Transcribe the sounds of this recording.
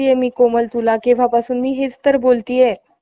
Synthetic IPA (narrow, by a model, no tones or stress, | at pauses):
ijemiːkoməlt̪ulakĩʋ̤apasuːnmiːɦet͡st̪əɾbolt̪iːje